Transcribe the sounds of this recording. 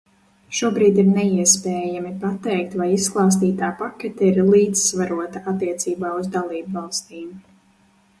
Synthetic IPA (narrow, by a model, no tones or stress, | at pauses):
ʃuɔbɾiːd̪iɾnɛiɛspɛːjamipat̪ɛjk̚t̪vajisklˠɑːs̬t̪iːt̪aːpakʲɛt̪ɛiɾlˠiːd̪zsvaɾuɔt̪aat̪ːiɛt̪siːbaːuzd̪alˠiːbvɑlˠst̪iːm